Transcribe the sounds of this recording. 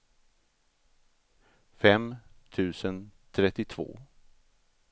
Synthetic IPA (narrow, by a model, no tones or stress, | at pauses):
fɛmt̪ʰʉ̟ːsənt̪ʰɾɛt̪ːɪt̪ʰv̥o̰ː